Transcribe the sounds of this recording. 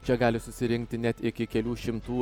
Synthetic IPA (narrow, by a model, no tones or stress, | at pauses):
t͡ʃʲɛɡɑːlʲɪsʊsʲɪɾʲɪŋʲk̚t̪ʲɪnʲɛt̪ɪkʲɪkʲɛlʲuːʃʲɪmt̪uː